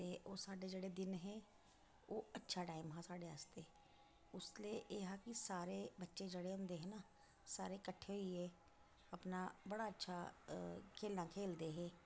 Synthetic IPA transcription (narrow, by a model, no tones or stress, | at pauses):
t̪eːoːsaːɖed͡ʒəɽed̪ɪnɦɛ̃ː | oːətːʃʰaːʈaːɪmɦãːsaːɖeaːst̪e | ʊslieʔeːɦakisaːɾebətːʃed͡ʒəɽeʊ̃nd̪eːɦɛ̃ːnaː | saːɾekəʈʰːeːɦoiɦɛː | əpnaːbəɽaətːʃʰaː | kʰeːlnãːkʰeːld̪eːɦɛ̃ː